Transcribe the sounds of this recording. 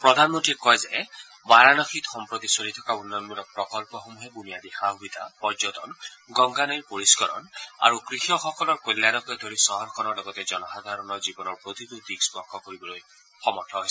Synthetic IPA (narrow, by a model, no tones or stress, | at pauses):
pɹɔd̪ʱanmɔnʈikɔjze | maɾanɔxʰit̪xɔmpɹot̪isoɾit̪ʰɔkaunːɔnmuɾɔk̚pɹɔkɔlpɔxomuɦebunijad̪ixaɦubit̪apɔd͡ʒɔt̪ɔnɡɔŋɡanɔjɹpoɹiskɔɾɔ̰na̰ɹukɾixɔxɔkɔlɔɹkojlːjanɔkɔed̪ʱoɾisɔɦɔɾkʰɔnɔɹlɔɡɔt̪ɛd͡ʒɔnɔxad̪ʱaɾɔnɔzibɔnɔɹpɹot̪id̪ut̪iksbɔkʰːɔkoɾibɔloj | xɔmɔtʰːɔɦojs